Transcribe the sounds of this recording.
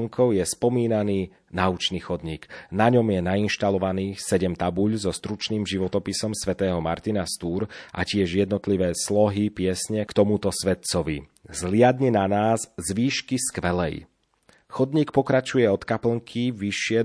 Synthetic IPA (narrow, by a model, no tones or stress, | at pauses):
ŋkʰɔʊjɛspɔmiːnaniː | naut͡ʃniːxɔd̪ɲiːɡnaɲɔmjɛnainʃt̪alɔʋaniːsɛɟɛmt̪abuʎzɔst̪ɾut͡ʃniːmʒiʋɔt̪ɔpisɔmsʋɛt̪ɛːɦɔmaɾt̪inast̪uːɾʔa̰cɪɛʒjɛd̪nɔt̪liʋɛːslɔɦipɪɛsɲɛkt̪ɔmut̪ɔsʋɛt̪̚t͡sɔʋḭ | zlɪad̪ɲɛnanaːzzʋiːʃkiskʋɛlɛ̰j | xɔd̪ɲiːk̚pɔkɾat͡ʃujɛɔt̪kapl̩ŋkʰiʋiʃːɪɛ